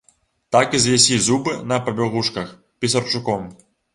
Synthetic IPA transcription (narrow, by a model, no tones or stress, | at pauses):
t̪akizʲjʲɛsʲizubɨnɐpɐbʲɔɣuʂkɐx | pʲisɐrt͡ʂukɔm